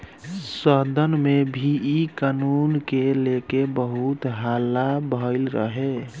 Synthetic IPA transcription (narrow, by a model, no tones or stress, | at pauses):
səd̪ənmebʱiikanunkelekebəɦut̪ɦalːabʱəɪlɾə̰ɦe